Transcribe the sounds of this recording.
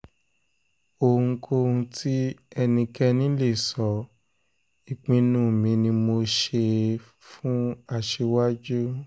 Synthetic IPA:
o˨ũ˧kʰo˧ũ˧ti˦ɛ˧nĩ˧kɛ˦nĩ˦le˦˨sɔ˨ | i˨k͡pĩ˨˦nũ˦˨mĩ˧nĩ˧mo˧ʃe˧ | fũ˦a˦˨ʃe˧wa˦d͡ʒu˦

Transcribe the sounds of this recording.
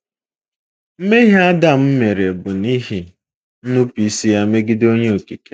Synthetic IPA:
m̩˦me˦ɦi˦a˦da˦m̩˦me˨ɾe˨bʊ˨ni˦ɦi˨ | n̩˦nu˦pi˦si˦ja˦me˦ɡi˦do˦ɲe˦o˨ki˨ke˨

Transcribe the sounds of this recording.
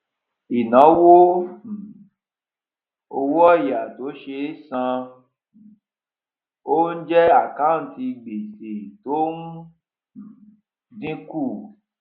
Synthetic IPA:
i˨nã˨˦wo˦˨ | o˧wɔ˦i˨ja˨to˨˦ʃe˧˦sã˧ | o˦n̩˦d͡ʒɛ˦a˦˨ka˦˨˦ti˧ɡ͡be˨se˨to˦nu˦˨ | dĩ˦ku˦˨

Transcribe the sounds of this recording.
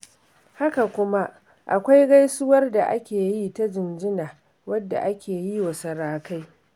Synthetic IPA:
ha˦ka˨kʷʊ˦ma˦ʔ | ʔa̰˨kʷa˦jɡa˦jsʊ˦wɐ˦rda˨ʔa˦kʲeː˨ji˦ta˦d͡ʒɪ˨nd͡ʒɪ˦naː˨ | wɐ˦dːa̰˨ʔa˦kʲeː˨ji˦wɐ˨sɐ˨ɾaː˨ka˦j

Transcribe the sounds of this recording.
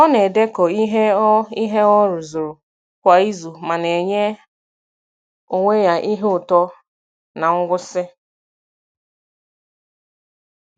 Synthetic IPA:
ɔ˦ne˨de˦kɔ˨i˦ɦe˦i˦ɦe˦ɔ˦ɾʊ˨zʊ˨ɾʊ˨ | kʷa˨i˦zu˨ma˨ne˨ɲe˦ | o˨ŋʷe˦ja˨ʔi˦ɦe˦ʊ˨tɔ˦ | na˨ŋ̩˦ɡʷʊ˦sɪ˦

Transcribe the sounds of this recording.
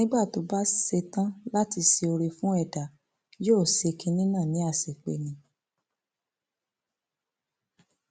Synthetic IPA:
ĩ˦ɡ͡ba˦˨to˨˦ba˦se˧tã˦la˦ti˧se˧o˧ɾe˧fũ˦ɛ˦˨da˨˦ | joː˦˨se˧kĩ˧˦nĩ˦nã˦˨nĩ˨˦a˦˨se˨k͡pḛ˨nĩ˨˧

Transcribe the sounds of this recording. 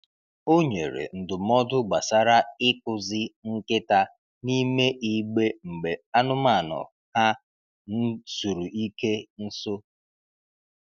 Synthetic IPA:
o˦ɲe˨ɾḛ˨n̩˨dʊ˨m̩ɔ˦dʊ˦ɡ͡ba˨sa˦ɾa˦ɪ˦kʊ˨zɪ˦ŋ̩˦kɪ˦ta˦ | ni˦me˦ʔi˦ɡ͡be˦ŋ͡m̩˨ɡ͡be˨a˦nʊ˦ma˦˨nɔ̰˨ | ha˦ | n̩˦su˨ɾu˨ʔi˦ke˦n̩˦so˦

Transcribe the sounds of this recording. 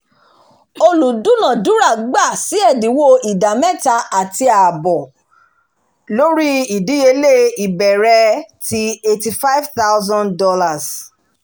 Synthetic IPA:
o˧lu˨dũ˦nã˨du˦ɾa˦˨ɡ͡ba˦˨si˨˦ɛ˦˨di˨˦wo˦i˨da˨mɛ̃˦˨ta˧ʔa˨ti˧a˨bɔ˨ | lo˦ɾi˦i˨di˨˦je˧le˦˨i˨bɛ˨ɾɛ˧ti˧e˧ti˧fa˦i˦vθa˦ʊzɔ̃˦ndɔ˧la˨s

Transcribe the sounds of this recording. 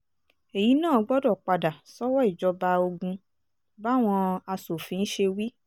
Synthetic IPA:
e˨ji˨˦nãː˦˨˧ɡ͡bɔ˦dɔ˦˨k͡pa˧da˨sɔ˦wɔ˦i˦˨d͡ʒɔ˧ba˧o˧ɡũ˧ | ba˦˨w̃ɔ̃˧a˧so˨fĩ˨˦n̩˦ʃe˧wi˦

